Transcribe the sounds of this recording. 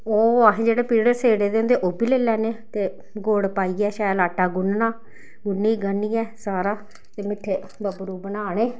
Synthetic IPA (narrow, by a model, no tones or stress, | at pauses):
oːaɦẽːd͡ʒeːɽeːpiːɽəɾseːɽeːd̪eːʊnd̪eːʔoːbiːleːlɛːneːt̪eː | ɡoːɽpaːiːɛːʃaːlaːʈːaːɡʊnnaː | ɡʊnːiːɡənːiːɛːsaːɾaː | t̪eːmɪʈʰeː | bəbɾuːbənaːɽ̃eː